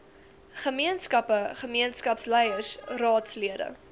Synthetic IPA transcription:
χəmiənskɐpəχəmiənskɐpslɛjəsrɑːtsliədə̰

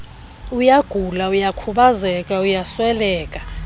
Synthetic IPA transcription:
ujaɡ̥ʱulaujakʰuɓazɛkʼaujaswɛlɛːkʼḁ

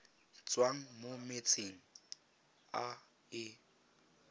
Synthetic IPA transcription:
t͡sʼwaŋ̩momet͡sʰʼiŋ̩ | a | ɪ

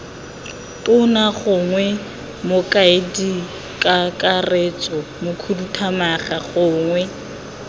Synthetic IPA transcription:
tʼʊnaχʊŋwɛ | mʊkʼaɪdi | kʼakʼaret͡sʼɔmʊkʰudutʰamaχaχʊːŋwɛ

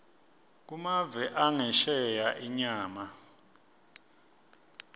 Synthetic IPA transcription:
k̬umavɛʔaŋɛʃɛjaʔiɲaːma

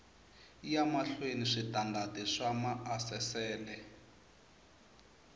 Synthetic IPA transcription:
ijamaɬweniʂitandatiʂamaʔasɛsɛːlɛ

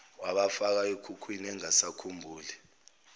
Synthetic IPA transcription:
waɓafak̬aikʰukʰwinɛŋasakʰumbʱuːli

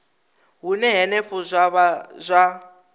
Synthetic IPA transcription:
ɦunɛɦɛnɛɸuzʷaβazʷa

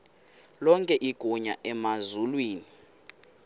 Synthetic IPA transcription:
lɔŋkʼɛʔiɡ̥ʱɔɲa̰ʔɛmazulwiːni

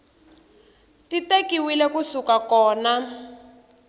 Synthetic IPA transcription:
titekiwilɛkusukakɔːna

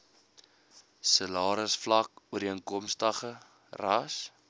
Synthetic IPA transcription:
səlɑːɾəsflɐk̚uəɾiəŋkɔmstɐχə | rɐs

